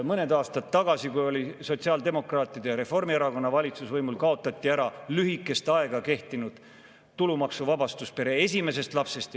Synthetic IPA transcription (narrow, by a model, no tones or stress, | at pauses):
mɤne̞d̪ɑːst̪ɑt̪ːɑɡ̥ɑsikujo̞lʲiso̞t̪siɑːld̪e̞mo̞krɑːt̪ːˑid̪̥eɾe̞fo̞rmieɾɑko̞nːɑvɑlʲit̪susvɤjmulkɑo̞t̪ːˑɑt̪ʲˑːiæɾɑlyɦikːˑe̞st̪ɑe̞ɡ̥ɑke̞ht̪inud̪̥ | t̪ulumɑksuvɑbɑst̪uspe̞ɾe̞e̞s̬ʲime̞se̞st̪lɑpse̞st̪